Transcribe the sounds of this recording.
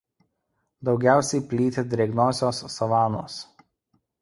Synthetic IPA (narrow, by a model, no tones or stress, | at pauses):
d̪ɒʊɡʲæˑʊsʲɛɪpʲlʲiːt̪ʲed̪ʲɾʲɛɡnoːsʲoːsːɐʋɑːno̰ːs